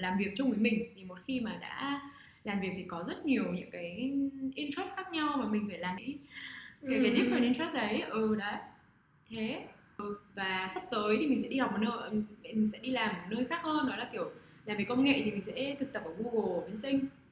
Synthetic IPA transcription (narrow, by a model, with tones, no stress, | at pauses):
laː˨˩mvi˨˩ək̚t͡ɕʊ˧ŋ͡mvəː˨˦jmï˨˩ŋ̟t̪ʰi˨˩mo˨˩t̚xi˧maː˨˩ɗa̰ː˧˥ | laː˨˩mvi˨˩ək̚t̪ʰi˨˩kɔ˨˦zə˦˥t̚ɲi˨˩əwɲɨ̰˧˥ŋkaː˨˦jʔi˧nt̪ɛ˦˥st̚xaː˦˥k̚ɲa˧wmaː˨˩mï˨˩ŋ̟faː˧˩laː˨˩mḭ˧˥ | kaː˨˦jkːt̪i˦˥t̚fə˧˩nʔi˧ntɛ˦˥s̚ɗə˨˦jʔɨ˨˩ɗə˨˦j | t̪ʰe˨˦ | ʔɨ˨˩vaː˨˩sa˦˥wp̚t̪əː˨˦jt̪i˨˩mï˨˩sɛ̰˧˥ɗi˧hɔ˨˩k͡p̚mo˨˩t̚nəː˧ji˨˩ŋsɛ̰˧˥ɗi˧laː˨˩mːo˨˩t̚nəː˧jxaː˦˥k̚həː˧nːɔ˨˦jlaː˧˩ki˧˩əw | laː˨˩mveː˨˩˦kə˧wŋ͡mŋḛ˧˨ʔt̪i˨˩mï̟˨˩sɛ̰˧˥t̪ʰɨ˨˩k̚t̪ə˨˩p̚ʔəː˧˩vu˧ɣo˨˩ɓi˨˧˦ənsï˧ŋ̟